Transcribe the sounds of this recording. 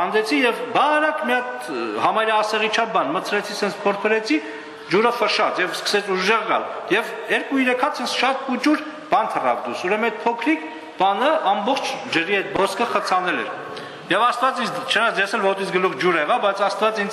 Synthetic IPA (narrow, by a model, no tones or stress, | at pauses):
ɑnd̪ɛt͡sʰijɛvbɑɾɑkmiɑt̪ | hɑmɑjɾɑːsɛʁit͡ʃʰɑvbɑnmət͡sʰɾɛt͡sʰisɛnt͡sʰpʰɔɾpʰəɾɛt͡sʰi | d͡ʒuɾəfəʃɑt͡sjɛvskə̥sɛt͡sʰuʒʒɛʁɡɑ̰ljɛvɛɾkuiɾɛkʰɑt͡sʰɛnt͡sʰʃɑt̪̚kut͡ʃuɾ | b̥ɑnt̪ʰərɑ̰vd̪usuɾɛməɛt̪̚pʰɔkʰɾik | b̥ɑnəʔɑmbɔχt͡ʃʰd͡ʒəɾiɛt̪̚bɔskʰəχət͡sʰɑnɛlɛ̰ɾ | jɛvɑst̪vɑt͡sint͡ʃʰənɑt͡sjɛsɛlvɔt̪int͡sʰɡəluʁd͡ʒuɾɛʁɑvbɑjt͡sʰɑst̪vɑt͡sin